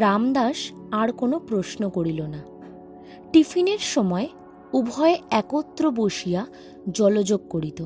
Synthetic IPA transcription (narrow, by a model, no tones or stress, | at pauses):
ɾamd̪aʃ | aɾkonopɾosnokoɽilona | ʈifʰineɾʃɔmɔe | ubʱɔeɛkot̪ːɾoboʃija | d͡ʑɔlod͡ʑoɡ̚koɽit̪o